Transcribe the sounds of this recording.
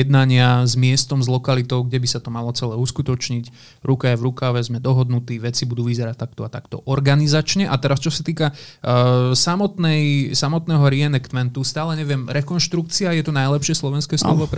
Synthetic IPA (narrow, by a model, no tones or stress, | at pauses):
jɛd̪naɲɪazmɪɛst̪ɔmzlɔkalit̪ɔʊɡɟɛbisat̪ɔmalɔt͡sɛlɛːuskut̪ɔt͡ʃɲic | ɾukajɛvɾukaʋɛzmɛd̪ɔɦɔd̪nut̪iːʋɛt͡sibud̪uːʋizɛɾact̪akt̪ɔat̪akt̪ɔ̰ʔɔɾɡanizat͡ʃɲɛʔat̪ɛɾast͡ʃɔsat̪iːka | samɔt̪nɛjsamɔt̪nɛːɦɔɾiɛnɛkt̪mɛnt̪ust̪aːlɛɲɛʋɪɛmɾɛkɔnʃt̪ɾuk̚t͡siajɛt̪unajlɛpʃɪɛslɔʋɛnskɛːslɔʋɔp